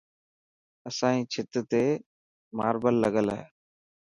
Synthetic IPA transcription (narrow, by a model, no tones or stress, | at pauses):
əsãːĩːt͡ʃʰɪt̪ət̪eː | ma̰ːɾbəlːəɡəlɦɛ̰ː